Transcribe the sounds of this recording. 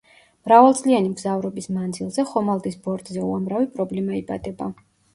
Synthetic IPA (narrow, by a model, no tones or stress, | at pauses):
mɾavalˠt̪sʼlianimɡzavɾɔbismand̪zilˠzɛχɔmalˠd̪isbɔɾt̪ʼzɛuamɾavipʼɾɔblɛmaiba̰d̪ɛba